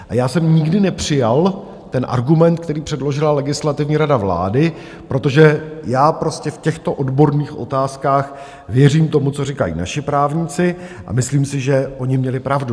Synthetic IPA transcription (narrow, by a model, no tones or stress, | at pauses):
ʔajaːsɛmɲɪɡdɪnɛpr̥ɪjal | t̪ɛnʔa̰ɾɡumɛnt̪̚k̚t̪ɛɾiːpr̝̥ɛdlo̞ʒɪlalɛɡɪslat̪ɪvɲiːɾadavla̰ːdɪ | pɾo̞t̪o̞ʒɛjaːpɾo̞scɛfcɛxt̪o̞ʔo̞dbo̞ɾniːxʔo̞̰t̪aːskaːx | vjɛriːmt̪o̞mut͡so̞rɪkajḭːna̰ʃɪpɾaːvɲɪt͡sɪʔa̰mɪsliːmsɪʒɛʔo̞ɲɪmɲɛlɪpɾavdu